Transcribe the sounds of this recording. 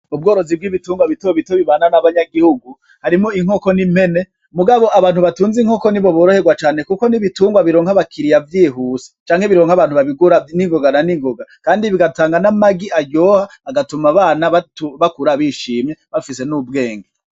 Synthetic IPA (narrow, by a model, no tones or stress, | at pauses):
ub̚ɡo̞ːɾo̞zib̚ɡiːβituːŋɡwaβitoβitoβiβaːnanaβaɲaɡihuɡu | haɾimo̞iŋ̥o̞ko̞nimhe̞ne̞ | muɡaβo̞ʔaβaːn̥huβatuːnziŋho̞ko̞niβo̞βoːɾohe̞ɡwat͡ʃaːne̞kuko̞niβituːŋɡwaβiɾo̞ːŋhaβakʰiɾijavjiːɦuːsi̥t͡ʃaːŋhe̞βiɾo̞ːŋhaβaːnhuβaβiɡaniŋɡoɡananiŋɡoɡakaːndiβiɡataːŋɡanamaɡiʔaɟoːhaːɡatumaβaːnaβtβakuɾaβiʃiːmeβafise̞nub̚ɡe̞ːŋɡe